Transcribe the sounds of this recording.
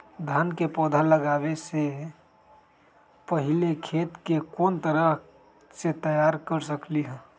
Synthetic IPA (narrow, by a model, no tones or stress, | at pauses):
d̪ʱaːnkepɔːd̪ʱaləɡaːʋese | pəɦɪlekʰeːt̪kekoːnt̪əɾəɦ | set̪əjaːɾkəɾsəkliɦɛ̃ː